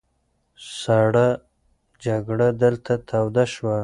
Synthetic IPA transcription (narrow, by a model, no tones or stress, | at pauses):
saɽa | d͡ʒaɡɽad̪əlt̪ʰat̪ʰawd̪aʃwa